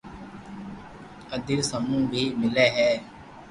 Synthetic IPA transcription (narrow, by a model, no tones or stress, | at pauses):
əd̪iːsəmũːbʱiːmɪlɛːɦɛː